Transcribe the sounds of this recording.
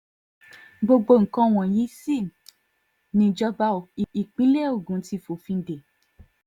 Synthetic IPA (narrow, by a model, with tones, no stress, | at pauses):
ɡ͡bo˧ɡ͡bo˧˦˨ŋ̩˨kã˧˦˨w̃ɔ̃˨j̃ĩ˨˦si˦˨ | nĩ˧d͡ʒɔ˧ba˧˦˨i˨i˨k͡pi˨˦le˦˨o˦˨ɡũ˨˦ti˧˨fo˨fĩ˧n̩˦de˨